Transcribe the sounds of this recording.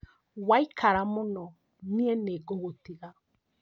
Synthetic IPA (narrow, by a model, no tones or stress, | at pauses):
waikʰaɾamonɔ | niɛneɡoɣotiɣa